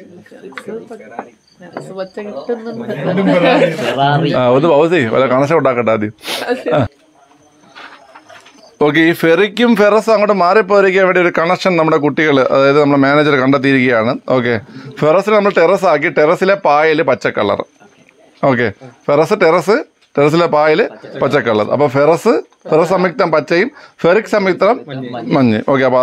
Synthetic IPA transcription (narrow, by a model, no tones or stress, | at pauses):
aːonːɨbʱɐʋsiʋɐ̰liɐkɐɳɐs̬ɐkoɳɖaːkːɐʈːaːd̪ijua | o̞ːk̬ːeiːferikʲːumferɐsɨɐŋːɐʈːɨmaːripːoːɐɾikʲːɐʋɐɽejoɾukɐɳɐkʂɐnnɐmːuɽe̞k̬uʈːiɣɐɭɨʔɐ̰ðaːjɐðɨnɐmuɭemaːneːd͡ʑɐɾkɐɳɖɐt̪ːijiɾuk̬ʲːɐjaːɳɨo̞ːk̬ːe̞ferɐsilnɐmːɐɭʈerɐsaːk̬ːiʈeɾɐsilepaːjilɨpɐt͡ɕːɐkːɐ̰ɭːɐ̰r̰ | o̞ːk̬ːe̞ferɐsɨʈeɾɐsɨ | ʈeɾɐs̬ilepaːjilpɐt͡ɕːɐkːɐɭːɐ̰ðɨ̰ʔɐ̰pːoːferɐsɨ | ferɐssɐmik̚t̪ːɐmpɐt͡ɕːɐjumferikʲːsɐmik̚t̪ɾɐmːɐɲːḭʔo̞ːkːeɐpːoː